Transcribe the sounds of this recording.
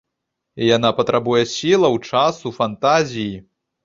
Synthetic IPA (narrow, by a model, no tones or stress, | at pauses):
ijanapɐt̪ɾʔabujɛsʲilˠɐwt͡ʂasufant̪azʲiji